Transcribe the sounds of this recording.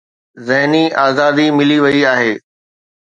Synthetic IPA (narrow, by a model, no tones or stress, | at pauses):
zɪɦniaːzaːd̪imɪliʋɐiaːɦeː